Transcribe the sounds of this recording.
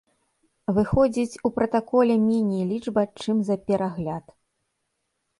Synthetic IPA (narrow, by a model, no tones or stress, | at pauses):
vɨxɔd͡zʲit͡sʲupɾɐt̪akɔlʲɛmʲɛnʲijlʲid͡ʐbɐt͡ʂɨmzɐpʲɛɾʔaɣlʲat̪